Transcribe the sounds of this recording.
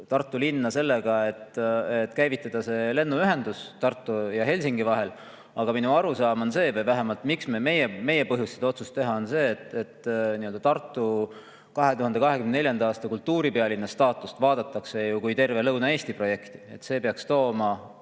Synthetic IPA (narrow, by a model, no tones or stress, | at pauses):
t̪ɑrt̪ˑːulinːɑse̞lːe̞ɡ̥ɑe̞t̪et̪ːkæjvit̪ˑːɑd̪̥ɑse̞le̞nːuyɦe̞nd̪̥ust̪ɑrt̪ːˑujɑɦe̞lʲsiŋɡivɑɦe̞l | ɑɡ̥ɑminuɑɾusɑːmo̞nse̞ːvɤjvæɦemɑlt̪miksmeme̞jeme̞je̞pɤɦjust̪ːsed̪ɑo̞t̪su̥st̪e̞ɦɑo̞nse̞ːt̪et̪ːniø̞ld̪ɑt̪ɑrt̪ːˑu | kɑɦe̞t̪uhɑnd̪ekɑɦe̞kymnenelʲjɑnd̪ɑɑːst̪ɑkult̪ːˑuːɾipeɑlinːɑst̪ɑːt̪ːˑust̪vɑːd̪̥ɑt̪ːˑɑkse̞jukujt̪e̞rve̞lɤwnɑe̞ːst̪ipro̞je̞kt̪i̥e̞̰t̪se̞ːpeɑkst̪o̞ːmɑ